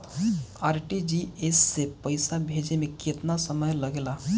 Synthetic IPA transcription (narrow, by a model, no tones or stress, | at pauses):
aːɾʈid͡ʒiesːepəɪsabʱed͡ʒemẽket̪nasəməjləɡela